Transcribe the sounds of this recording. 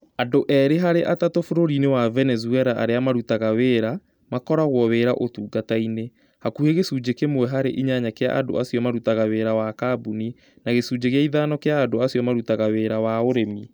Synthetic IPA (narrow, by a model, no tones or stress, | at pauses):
andoʔɛɾeɦaɾeʔatatofoɾoɾinewavɛnɛzuɛɾaʔa̰ɾeamaɾutaɣaweːɾa | makɔɾaɣwɔweɾaʔotuːɡataine | hakuheɣesuːd͡ʑekemwɛɦaɾḛʔiɲaɲakea̰ʔando̰asjɔmaɾutaɣaweːɾawakabuni | naɣesud͡ʑeɣeaiðanɔkeaːndoasiɔmaɾutaɣaweːɾawaoɾemi